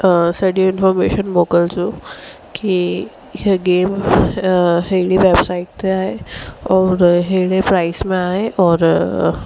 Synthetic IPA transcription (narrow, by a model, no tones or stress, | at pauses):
səɽiinfɔɾmeɕənmokəlt͡su | ki | ɦeɡem | ɦeɽiʋebsaiʈ̚t̪eaɦeɔːɾɦeɽepɾaismẽaɦeʔɔːɾ